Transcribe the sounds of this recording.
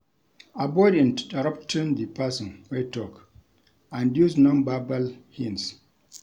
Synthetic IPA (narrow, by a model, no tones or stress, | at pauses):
abɔdĩndaɹaptʰĩnd̪ipasɔ̃nwetɔk | ãndjusnɔ̃nbabalhĩns